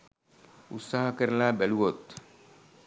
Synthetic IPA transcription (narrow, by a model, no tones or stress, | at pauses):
ut̪saɦɔkəɾlabɛluwot̪